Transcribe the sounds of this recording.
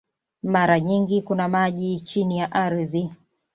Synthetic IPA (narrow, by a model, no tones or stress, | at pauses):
maɾaɲiŋɡikunamaʄit͡ʃinijaʔaɾiði